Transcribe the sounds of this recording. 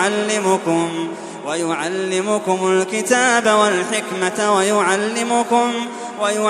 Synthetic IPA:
alːɪmʊkʊm | wajʊʕalːɪmʊkʊmʊlkɪt̪aːbawalħɪkmatwajʊʕalːɪmʊkʊm | wajʊ

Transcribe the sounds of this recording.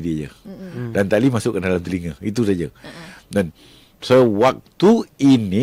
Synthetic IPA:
diaɲə̰dant̪alimasʊʔkːəndalamt̪əliŋəhit̪us̬ad͡ʒədan | səwak̚t̪uini

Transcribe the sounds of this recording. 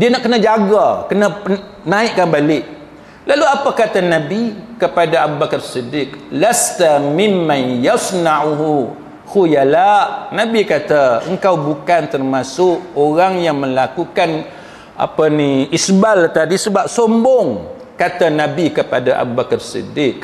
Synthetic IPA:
dianaʔkənad͡ʒaɡakəna | nãiʔkanbalɪʔ | laluapakat̪anãbikəpadaabubakərsidɪklast̪amɪmːanjasnaʕɦu | hujalaʔnãbikat̪aəŋkawbukant̪ərmasʊʔoɾaŋjaŋmə̃lakukan | ʔa̰paniisbalt̪adisəbap̚sombɔŋ | kat̪anãbikəpadaʔa̰bubakərsḭdɪk̚

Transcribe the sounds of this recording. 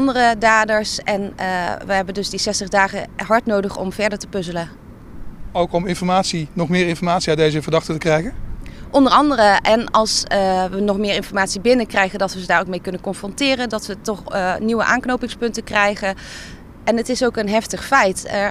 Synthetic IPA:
ndərədaːdəɹsɛnʋəɦɛbəndɵzdisɛstəχdaːχəɦɑɹtnowdəχɔ̰mvɛɹdəɹtə̥pɵzələn | owkɔmɪnfɔɹmaːtsinɔχmɪːɹɪnfɔɹmaːtsiatdejzəvəɹdɑχtətəkrɛjχənʔɔndəɹɑndərəʔɛnɑlˠsʋənɔχmɪːɹɪnfɔɹmaːtsibɪnəkrɛjχəndɑtʋəədaːɹowk̚mejkɵnənkɔnfrɔntɪːrəndɑtʋətɔχniwə̰ʔaːnknowpɪŋspɵntəkrɛjχən | ɛnətɪsowkənɦɛftəχfɛjt

